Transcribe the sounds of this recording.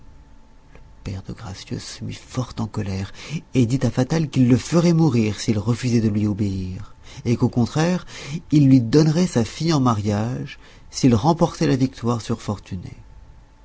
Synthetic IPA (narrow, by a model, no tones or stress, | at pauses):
ləpɛ̰ʁd̪ə̰ɡʁa̰sjø̰sːəmḭfɔʁt̪ɑ̃kɔlɛʁed̪it̪afat̪alkilːəfəʁɛmuʁiʁsilʁəfyzɛd̪əlɥiobeiʁekokɔ̃t̪χɛʁilːɥid̪ɔnʁɛsafijɑ̃maʁjaʒ | silʁɑ̃pɔʁt̪ɛlavik̚t̪waʁsyʁfɔʁt̪ynḛ